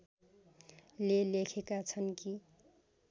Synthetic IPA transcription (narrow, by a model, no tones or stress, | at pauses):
lelekʰekat͡sʰʌnki